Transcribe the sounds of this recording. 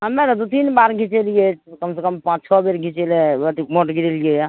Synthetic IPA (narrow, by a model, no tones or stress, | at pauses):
ɦəmeɾd̪ut̪inbaɾɡʱĩt͡ʃeljekəmsekəmpãt͡ʃt͡ʃʰɔbeɾɡʱĩt͡ʃeleət̪imoʈɡiɾeljeja